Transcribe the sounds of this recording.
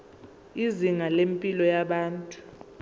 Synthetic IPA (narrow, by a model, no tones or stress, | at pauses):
iziŋalempʼilɔjaɓaːntʼu̥